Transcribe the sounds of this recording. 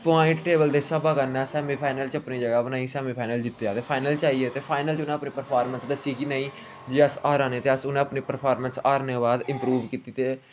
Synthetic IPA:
paːɪ̃ɳʈʈeːbəld̪eːsəbaːkənːɛ̃ːsɛːmiːpʰaːɪnəlt͡ʃəpniːd͡ʒəɡaːbənaːĩːsɛːmiːpʰaːnəld͡ʒɪt̪ːeːaːt̪eːpʰaːɪnəlt͡ʃaːieːt̪eːpʰaːɪnəlt͡ʃʊnẽːəpniːpəɾpʰaːɾmənsd̪əsiːkinəĩː | d͡ʒeːəsaːɾãːnẽːt̪eːəsʊnẽːəpniːpəɾpʰaːɾmənsaːɾnẽːbaːd̪ɪ̃mpɾuːʋkiːt̪iːt̪eː

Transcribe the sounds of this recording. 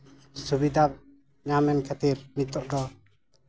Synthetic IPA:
subid̪ap̚ | ɲamɛnkʰɛt̪ip̚mit̪ɔʔd̪ɔ

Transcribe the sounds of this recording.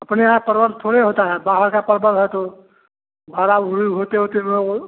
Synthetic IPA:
ɐpneɦãpəɾbəɾt̪ʰoːɽeɦoːt̪aɦɛbaːɦəɾkapəɾbʱəɾɦɛt̪o | bʱaːɾaʊɾuɦoːt̪eɦoːt̪eo

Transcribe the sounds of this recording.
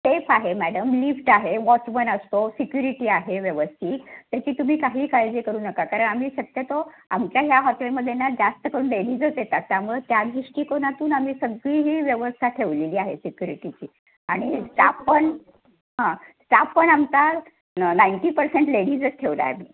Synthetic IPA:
sefaɦemæɽəmlifʈaɦeʋɔt͡ɕmənəst̪osikjuɾiʈiːaɦeʋjəʋəst̪ʰiːkt̪jat͡ɕiːt̪um̤iːkaɦiːkald͡ʑikəɾuːnəkakaɾəɳam̤iːɕət̪jət̪oa̰mt͡ɕjaɦjaɦɔʈelməd̪ʱjenad͡zast̪əkəɾuːnleɽiːd͡zɦot͡s̪jet̪at̪̚ːjaɾmuɭət̪jaɡ̪ɾiɕʈiːkonat̪uːnam̤iːsəɡɭiːɦiːʋjəʋəst̪ʰaʈ̪ʰeʋleliːaɦesikjuɾiʈit͡ɕiː | aɽ̃isʈa̰pːəɳ | ɦãsʈapːəɳamt͡sa | naiɳʈiːpəɾseɳʈleɽiːd͡zət͡sʈʰeʋla̰jmiː

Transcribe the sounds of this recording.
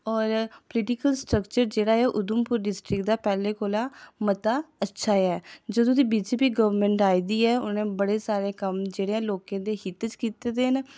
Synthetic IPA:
ɔːɾpəlɪʈɪkəlsʈɾəkt͡ʃəɾd͡ʒeːɽaːɛːʔʊd̪ʊmpʊɾɖɪsʈɾɪkd̪aːpɛːlẽːkoːlaːmət̪aːətːʃʰaːɛːd͡ʒoːt̪ʊ̃sĩːbiːd͡ʒeːpiːɡəʋəɾmẽɳʈaːiːd̪iːɛːʊnẽːbəɽeːsaːɾeːkəmd͡ʒeːɽeːɛ̃ːloːkẽːd̪eːɦɪt̪t͡ʃkiːt̪eːd̪eːən

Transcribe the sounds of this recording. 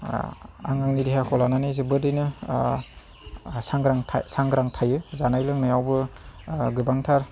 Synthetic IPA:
a̰ŋaŋnidiɦakʰɔlananɯzɯbɯdɯjnɯ | saŋɡɾaŋʰsaŋɡɾaŋtʰajɯzanajlɯŋnajawbɯ | ɡɯbaŋtʰaɾ

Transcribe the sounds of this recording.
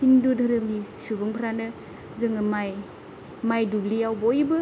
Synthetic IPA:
hindudʱɐɾɯmnisubɯŋpʰɾanɯ | zɯŋɯmaj | majdublijawbojbɯ

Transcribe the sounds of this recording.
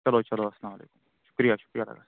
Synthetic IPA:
t͡ʃɐlot͡ʃɐloɐslaːmɐlḛːkʊm | ʃʊ̥kɾijaʃʊ̥kɾijalɐ̰ɡa̰

